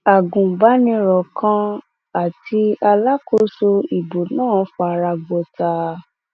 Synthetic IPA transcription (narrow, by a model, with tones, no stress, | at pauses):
a˨ɡũ˨ba˨˦nĩ˧ɾɔ˨kʰã˧˦ | a˦˨tʰi˧a˧la˦ko˦so˧i˨bo˨nãː˦˨˦fɔ˧a˧ɾa˧ɡ͡bo˧˦ta˧